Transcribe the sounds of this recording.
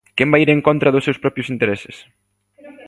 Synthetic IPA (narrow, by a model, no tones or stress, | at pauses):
kɛmbajiɾeŋkont̪ɾɐðʊsːewspɾɔpjʊsint̪eɾɛsɪ̥s